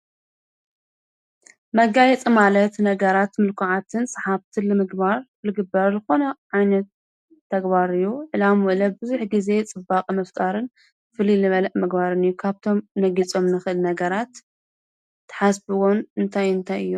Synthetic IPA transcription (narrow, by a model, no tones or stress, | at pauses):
mɐɡajɛt͡sʼimalɐt̪nɐɡɐɾat̪mɨlkʰuʕat̪ʰɨnsʼɨħaβt̪ʰilɨmɨɡbaɾ | lɨɡɨbːɐɾzɨxo̞nɐʕajnɐt̪ʰː | ɐɡbaɾɨjːuʕɨlamwɔlɐbɨzuħɡize̞t͡sʼɨbːaqʼmɐft̪ʼaɾɨn | fɨlilɨβɐlɐʔmɨɡbaɾɨnɨjːukʰaβt̪ʰo̞mnɐɡit͡sʼo̞mnɨxʔɨlnɐɡɐɾat̪ | ɨ̥ħasbɨwonɨnt̪ʰajɨnt̪ʰajɨ̰jːu